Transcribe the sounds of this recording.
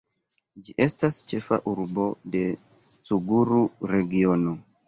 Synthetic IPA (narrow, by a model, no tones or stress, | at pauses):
d͡ʒiʔe̞stast͡ʃe̞fa̰ʔuɾbo̞de̞ | suɡuɾuɾe̞ɡio̞no